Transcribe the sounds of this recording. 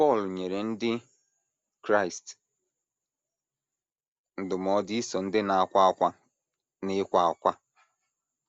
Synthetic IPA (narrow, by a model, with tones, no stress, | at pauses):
pɔ˦˨lɲe˨ɾe˨n̩˦dɪ˦ | kɾa˦˨ɪ˨st | n̩˨dʊ˨m˨ɔ˨di˦i˦sɔ˨n̩˦dɪ˦na˨a˦˨kʷa˦a˦kʷa˦ | nɪ˦kʷa˨a˨kʷa˦